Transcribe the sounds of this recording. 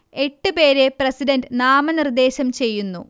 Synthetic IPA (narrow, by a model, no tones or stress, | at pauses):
e̞ʈːɨpe̞ːɾeprɐsidɐndɨnaːmɐnird̪e̞ːɕɐmt͡ɕe̞jːunːṵ